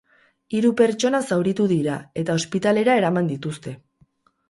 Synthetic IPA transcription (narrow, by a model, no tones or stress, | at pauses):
iɾupe̞ɾt͡ʃo̞nasawɾit̪uðiɾae̞t̪ao̞spit̪ale̞ɾae̞ɾamand̪it̪ust̪e̞